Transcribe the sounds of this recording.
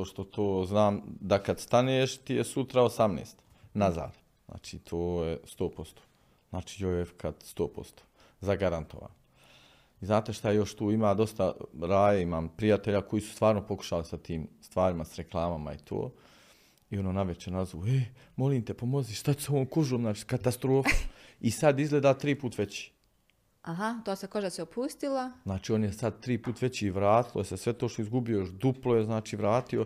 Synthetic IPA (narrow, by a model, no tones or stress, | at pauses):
oʃt̪o̞t̪ʰoːznaːmd̪akad̪st̪aneːʃt̪ijesut̪ɾaosamneːst̪ | naza̰ːd̪̥ | zna̰ːt͡ʃiːt̪ʰoːjest̪oːpo̞st̪o̥ː | znaːt͡ʃi̥ːjojefkʰad̪st̪oːpo̞̰st̪o̥ː | zaɡaɾant̪oʋa̰ːn | iznaːt̪eʃt̪ajejo̞ʃt̪uːimaːd̪o̞st̪aɾaːjaimaːmpɾijat̪eʎako̞jiːsu̥st̪ʋaːɾnopo̞ku̥ʃalisat̪iːmst̪ʋaːɾimasɾeklˠaːmama̰ḭt̪ʰo̰ː | io̞noːnaʋet͡ʃenazoe | mo̞liːmt̪epomo̞ziʃt̪at͡ɕu̥seoʋoːmkuʒoːmznaːt͡ʃikat̪ast̪ɾo̞ːfuisad̪izɡlˠeːd̪aːt̪ɾiːpuːt̪ʋe̞t͡ɕi̥ | aɦat̪oːsekoʒasiopʰust̪ilˠaznaːt͡ʃiːo̞ːnjesad̪̚t̪ɾiːpuːt̪ʋe̞t͡ɕiːʋɾaːt̪ilojesesʋe̞t̪oʃt̪oizɡubijojoʃd̪uplˠojeznaːt͡ʃiːʋɾaːt̪io̞